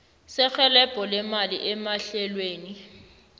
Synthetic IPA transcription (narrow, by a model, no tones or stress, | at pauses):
sɪk͡xʰɛlɛpʼɔlɪmaliʔɛmaɬɛlweːni